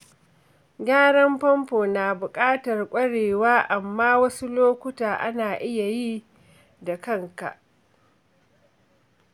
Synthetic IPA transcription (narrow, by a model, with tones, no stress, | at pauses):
ɡʲaː˦ɽɐ˦mpɐ˦mɸoː˨naː˨bʊ˨kʼaː˦tɐ˨rkʷʼɐ˦ɽeː˨waː˦ʔa˨mːaː˦wɐ˦su˦loː˦kʷʊ˦taː˨ʔa˦naː˨ʔɪ˦ja˨ji˦ | da˨kɐ˦ŋka̰˨ʔ